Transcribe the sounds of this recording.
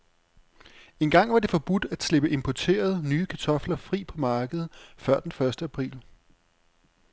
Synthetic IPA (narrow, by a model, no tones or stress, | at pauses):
e̝nɡ̥ɑ̈ŋ̰ʋɑ̈de̝fɒ̽b̥ud̥æd̥sle̝b̥əʔe̝mpʰɒt͡sʰe̝̰ːɐð̞̩ˠnyːkʰæt͡sʰɒ̽flɐfʁḭːpʰɒ̽mɑ̈ːɡ̥əð̞̩ˠfɶɐ̰d̥enfɶɐsd̥əæpʰʁḭːl